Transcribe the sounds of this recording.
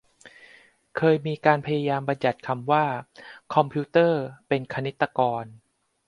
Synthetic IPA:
kʰɤː˧jmiː˧kaː˧npʰa˧jaː˧jaː˧mba˧nja˨˩t̪̚kʰa˧mwaː˥˩kʰɔ˧mpʰiː˦˥t̪ɤː˥˩pe˧nkʰa˧ne˦˥t̪ːa˧kɔː˧n

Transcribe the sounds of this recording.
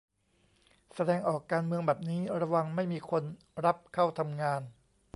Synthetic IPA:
sa˧dɛː˧ŋʔɔː˨˩kːaː˧nmɯ˧əŋbɛː˨˩p̚niː˦˥ɾa˧wa˧ŋma˥˩jmiː˧kʰo˧n | ɾa˦˥p̚kʰaː˥˩wt̪ʰa˧mŋaː˧n

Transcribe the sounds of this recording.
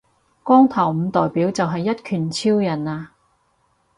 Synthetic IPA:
kɔː˥ŋt̪ʰɐ˨˩wm̩˨˧t̪ɔː˨jpiː˨˥wt͡sɐ˨wɦɐ˨jːɐ˥t̚kʰyː˨˩nt͡sʰiː˥wjɐ˨˩naː˧

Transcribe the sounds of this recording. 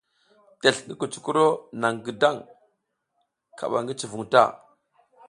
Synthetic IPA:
te˨ɬŋɡi˦ku˨t͡ʃu̥˨ku˦ɾo˦na˨ŋɡə˨da˦˨ŋ | kʰa̰˨ɓa̰˨ŋɡi˦t͡ʃi˨vu˨ŋta̰˦˨

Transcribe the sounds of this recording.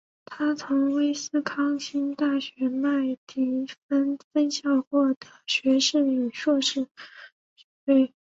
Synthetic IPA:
t̪ʰa˥t͡sʰʊ˧˥ŋwe˥ɪsɹ̩˥˧kʰɑ˥ŋɕi˥nt̪a˥˩ɕɥɛ˧˥ma˥˩ɪt̪ʰi˧˥fə˥nfə˥nɕjɑ˥˩ʊxwɔ˥˩d̪̥ə˩ɕɥɛ˧˥ʂɻ̩˥˩y˨˩ʂwɔ˥˧ʂɻ̩˥˩ | ʈ͡ʂ̩˥˧pe˥˩ɪ

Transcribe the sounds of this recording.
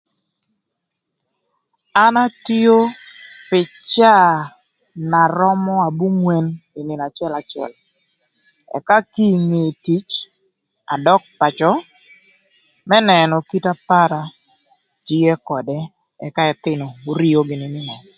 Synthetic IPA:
a˦na˦ti˦o˦pɪ˨t͡ʃa˦ | na˨ɾɔ˦mɔ˦a˨bu˦ŋwe˦nɪ˨nɪ˨na˨t͡ʃɪ˦ɛ˦la˨t͡ʃɛ̰˨l | ɛ̰˨ka˦ki˦ŋe˨ti˦t͡ʃ | a̰˨dɔ˦k̚pa˨t͡ʃɔ˦ | mɛ˦nɛ˨nɔ˨ki˦ta˦pa˦ɾa˨ | d͡ʒi˦e˦kɔ˨dɛ˦ | ɛ̰˨ka˦ɛ˨t̪ɪ˦nɔ˨o˨ɾi˦o˦ɡɪ˨nɪ˨nɪ˨nɔ˨

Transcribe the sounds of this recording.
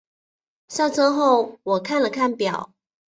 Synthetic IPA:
ɕjɑ˥˩ʊʈ͡ʂʰɤ˥xo˥˨ʊwɔ˨˩kʰa˥˨nlə˨˩kʰa˥˩npjɑ˨˩˦ʊ

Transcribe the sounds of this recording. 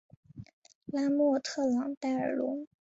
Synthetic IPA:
la˥mwɔ˥˧t̪ʰɤ˥˩lɑ˨˩˥ŋt̪a˥˩ɪə˞˨˩lʊ˧˥ŋ

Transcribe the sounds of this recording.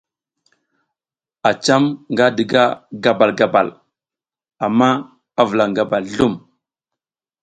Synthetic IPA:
a˨t͡ʃa˦mŋɡa˦də˨ɡa˦ɡa˦ba˨lɡa˦ba̰˨l | a˨mːa˦ | a˦və˨la˨ŋɡa˦ba˨lɮu˦m

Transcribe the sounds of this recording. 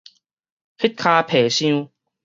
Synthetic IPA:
hi˦˥t̪̚kʰa˧pʰeː˨˩ɕĩ˧˦

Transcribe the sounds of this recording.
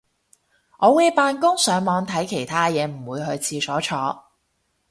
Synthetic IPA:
ŋɔː˨˧wu˨˧jpaː˧nkʊ˥ŋsœː˨˥ŋmɔː˨˧ŋt̪ʰɐ˨˥jkʰe˨˩jt̪ʰaː˥jɛː˨˧m̩˨˩wuː˨˧jɦɵ˧ɥt͡sʰiː˧sɔː˨˥t͡ʃʰɔː˨˧˥

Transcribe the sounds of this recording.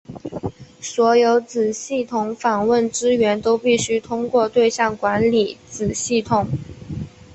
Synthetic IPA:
swɔ˧˥jo˧˥ʊt͡sɹ̩˨˩ɕi˥˩t̪ʰʊ˧˥ŋfɑ˨˩ŋwə˥˩nʈ͡ʂɻ̩˥ɥɛ˧˥nt̪o˥ʊpi˥˩ɕy˥t̪ʰʊ˥ŋkwɔ˥˧t̪we˥˧ɪɕjɑ˥˩ŋkwa˧˥nli˨˩t͡sɹ̩˨˩ɕi˥˩t̪ʰʊ˨˩˦ŋ

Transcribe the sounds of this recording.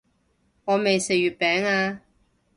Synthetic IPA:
ŋɔː˨˧me˨jse˨˩ɥyː˨t̚pɛː˨˥ŋaː˧

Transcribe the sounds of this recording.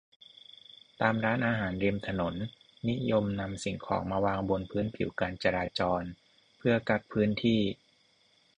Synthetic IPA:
t̪aː˧mɾaː˦˥nʔaː˧ɦaː˩˦nɾi˧mt̪ʰa˧no˩˦nː | i˦˥jo˧mna˧msi˨˩ŋkʰɔ̰ː˩˦ŋmaː˧waː˧ŋbo˧npʰɯː˦˥npʰi˩˦wkaː˧nt͡ɕa˧ɾaː˧t͡ɕɔː˧n | pʰɯ˥˩ɐka˦˥˩t̪̚pʰɯː˦˥nt̪ʰiː˥˩

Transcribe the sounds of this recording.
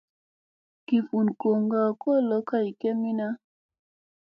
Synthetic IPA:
ki˨fu˨nko˨ŋɡa˨kɔ˦lɔ˦ka˦i˨kɛ˦mi˦na˦

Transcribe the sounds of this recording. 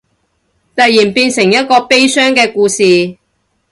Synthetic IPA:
t̪ɐ˨t̚jiː˨˩npiː˧nsɪ˨˩ŋjɐ˥t̚kɔː˧pe˥jsœː˥ŋkɛː˧kuː˧siː˨

